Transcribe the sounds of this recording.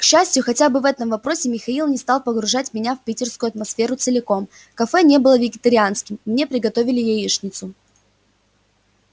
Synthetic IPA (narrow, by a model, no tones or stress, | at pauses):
kɕːæsʲtʲjʊxɐtʲabɨvɛt̪əmvɐpɾo̞sʲɪmʲɪxɐilˠnʲɪst̪ɑlˠpəɡɾʊʐatʲmʲɪnʲafpʲitʲɪrskʊʊɐt̪mɐsfʲe̞ɾʊt̪sɨlʲɪko̞m | kɐfɛnʲe̞bɨlˠəvʲɪɡʲɪt̪əɾʲɪanskʲɪmmnʲe̞pɾʲɪɡɐt̪o̞vʲɪlʲɪjejiʂnʲɪt̪sʊ